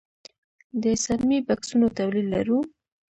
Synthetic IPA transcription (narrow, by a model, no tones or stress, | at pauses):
d̪əsaɾmibaksunot̪awlilːa̰ɾu